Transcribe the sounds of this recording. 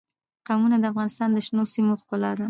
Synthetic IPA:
qawmunad̪əafɣɑnɪst̪ɑnd̪əʃnosimoxkʊlɑd̪a

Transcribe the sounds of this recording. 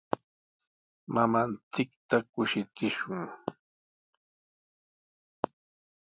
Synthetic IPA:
mamant͡sɪkt̪akʊʃɪt͡sɪʃʊŋ

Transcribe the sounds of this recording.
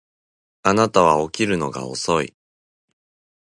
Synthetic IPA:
anat̪aβ̞ao̞kʲiɾɯ̟no̞ɡa̰o̰so̞ḭ

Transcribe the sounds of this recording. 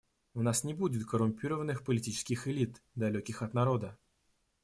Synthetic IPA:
ʊnasnʲɪbudʲɪt̪kəɾʊmʲpʲiɾəvənːɨxpəlʲɪtʲit͡ɕɪ̥skʲɪxɪlʲit̪d̪ɐlʲɵkʲɪxɐt̪nɐɾo̞d̪ə

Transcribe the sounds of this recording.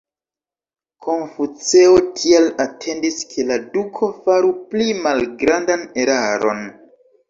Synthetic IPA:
kʰo̞nfut͡se̞otʰialatʰe̞ndiskʰe̞ladukʰo̞faɾuplimalɡɾandane̞ɾaɾo̞̰n

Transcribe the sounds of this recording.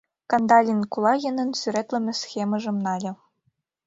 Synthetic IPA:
kɑnd̪ɑlʲinkulˠɑjɘ̆nɤ̆nsyɾʲet̪lʲɘ̆mʲɘ̆sʲxʲemɤ̆ʐɤ̆mnɑlʲɘ̆

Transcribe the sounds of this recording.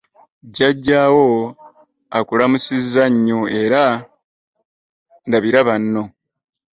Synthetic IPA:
ɟaɟːaːwo̞ | akulamusizaɲːoe̞ɾa | ndaβiɾaβanːo̞

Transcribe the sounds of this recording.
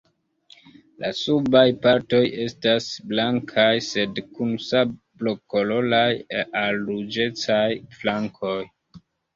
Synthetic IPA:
la̰subajpaɾto̞je̞stasblaŋkʰajse̞dkunsabloko̞lo̞lajʔalɾud͡ʒe̞t͡sajflaŋkʰo̞j

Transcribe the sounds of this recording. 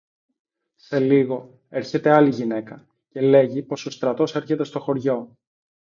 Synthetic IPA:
se̞liɣo̞ | e̞ɾçe̞t̪e̞ɐliʝine̞kɐ | ce̞le̞ʝipo̞so̞st̪ɾɐt̪o̞se̞ɾçe̞t̪e̞st̪o̞xo̞ɾʝo̞

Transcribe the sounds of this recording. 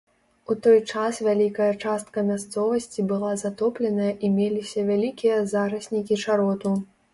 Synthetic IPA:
ut̪ɔjt͡ʂasvʲalʲikɐjɐt͡ʂast̪̚kɐmʲast̪sɔvɐsʲt͡sʲibɨlˠazat̪ɔplʲɛnɐjɐʔimʲelʲisʲɐvʲalʲikʲijɐzaɾɐsʲnʲikʲiʂaɾɔt̪u

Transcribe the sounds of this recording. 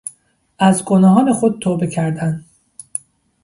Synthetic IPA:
ʔæzɡonɒːɦɒːne̞xod̪̚t̪ʰoːbe̞cʰæɾd̪æn

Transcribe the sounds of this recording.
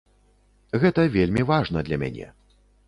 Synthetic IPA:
ɣɛt̪ɐvʲelʲmʲivaʐnɐd̪lʲɐmʲa̰nʲɛ̰

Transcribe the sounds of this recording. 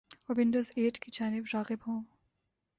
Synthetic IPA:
oɾʋɪ̃ɳɖoːzeːʈkid͡ʒaːnɪbɾaːɣɪbɦõː

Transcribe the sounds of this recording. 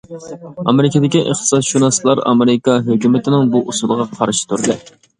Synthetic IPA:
ɑ̰mɪɾɪked̪ɪkʲiʔəχt̪ɨ̥sɑt̪ʃunɑslˠɑɾɑ̰meɾɪkɑɦøkʲymɪt̪ʰɪnɪŋbuʔusulˠəʁɑqʰɑɾʃɪ̥t̪ʰuɾd̪ɨ

